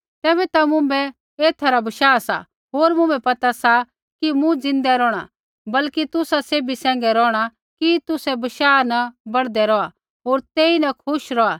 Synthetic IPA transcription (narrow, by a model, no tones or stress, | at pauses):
t̪ɛːβɛt̪amʊ̃mbɛ | eːt̪ʰaɾabɐʃaːsa̰ | ɦoːɾmʊ̃mɛ̃pɐt̪asa | kimũd͡zɪ̃nd̪ɛɾɔːɽ̃a̰ | bɐlkit̪ʊsaseːbisɛ̃ːŋɡɛɾɔːɽ̃a | kit̪ʊsɛbɐʃaːnɐbɐɽd̪ɛɾɔa | ɦoːɾt̪eːinɐkʰʊʃɾɔa